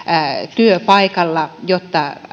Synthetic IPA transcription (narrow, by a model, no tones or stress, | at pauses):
t̪yøpɑikɑlːɑjot̪ːɑ